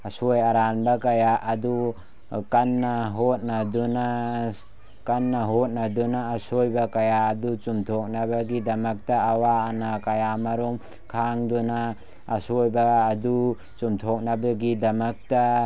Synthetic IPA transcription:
asojaɾanbakajaʔːdu | kanːaɦɔt̚naduna | kanːaɦɔt̚nadunaːsojbakajaːdut͡ʃumtʰɔk̚nabaɡidɐmɐk̚taːwaːnakajamaɾum | kʰaŋdunaː | sojbaːdu | t͡ʃumtʰɔk̚nabaɡidɐmak̚ta

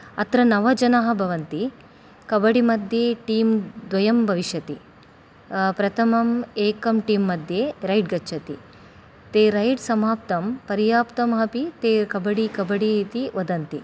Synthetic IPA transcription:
ɐt̪ɾɐnɐʋɐd͡ʒɐnɐɦɐbʱɐʋɐnt̪i | kɐbɐɽimɐd̪ʱjeːʈiːmd̪ʋɐjɐmbʱɐʋiʃjɐt̪i | pɾɐt̪ʰɐmɐmeːkɐmʈiːmːɐd̪ʱjeːɾɐjɖ̚ɡɐtːt͡ʃʰɐt̪i | t̪eːɾɐjɖsɐmaːp̚t̪ɐmpɐɾjaːpt̪ɐmɦɐpit̪eːkɐbɐɽikɐbɐɽit̪iʋɐd̪ɐnt̪i

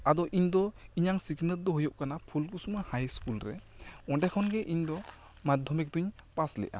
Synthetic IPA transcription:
ad̪ɔʔiɲd̪ɔiɲaŋsiknət̪̚d̪ɔɦujɔʔkanapʰulkusumahajskulɾɛ̰ | ɔɖɛkʰɔnɡɛʔiɲd̪ɔ | mad̪ʱɔmɛk̚d̪uɲ | paslɛ̰ʔa̰

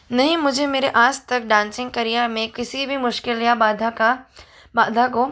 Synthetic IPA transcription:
nɐɦĩmʊd͡ʒʱemeːɾeʔaːst̪ɐk̚ɖãːnsɪ̃ŋɡ̚kɐɾijamẽkɪsibʱimʊʃkɪlijabaːd̪ʱaka | baːd̪ʱakoː

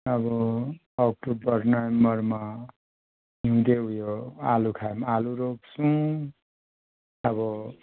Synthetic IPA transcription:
ʌbʌ | ʌk̚ʈobʌrnʌembʌrma | ɦiud̪eujoalukʰamaluɾoksũ | ʌbʌ

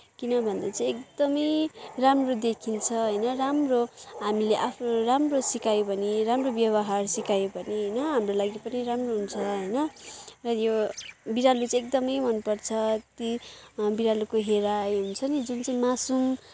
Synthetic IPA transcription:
kinʌbʱʌnd̪at͡sãĩek̚d̪ʌmʌjramrod̪ekʰint͡sʰʌɦʌjnʌramroɦamileʔapʰroramrosikajobʱʌniɾamrobjʌβʌɦarsikajobʱʌniɦʌjnʌɦamrolaɡipʌniɾamroɦunt͡sʰʌɦʌjnʌrʌjobiɾalut͡sek̚d̪ʌmʌjɦʌnupʌrt͡sʰʌt̪ibiɾalukoɦeɾajɦunt͡sʰʌnid͡zunt͡saĩmasum

